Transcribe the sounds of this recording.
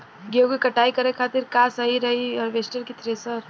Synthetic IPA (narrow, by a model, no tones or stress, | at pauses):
ɡeokikɐʈaːikɐɾekʰaːt̪ɪɾkaːsəɦiɾɐɦiɔːɾʋeːsʈəɾkit̪ɾesəɾ